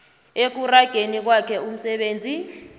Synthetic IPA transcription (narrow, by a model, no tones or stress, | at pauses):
ek̬uraɡ̥ʱenik̬wakʰɛum̩sɛɓeːnd͡zʱi